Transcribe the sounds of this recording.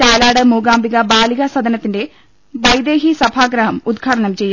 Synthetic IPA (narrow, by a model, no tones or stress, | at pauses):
t͡ɕaːlaːɽɐmuːɡaːmbiɣɐbaːliɣɐsɐd̪ɐnɐt̪ːinde̞ | ʋɐjd̪e̞ːɦisɐbʱaːɡɾɐɦɐmud̪ɡʱaːɽɐɳɐmt͡ɕe̞jːa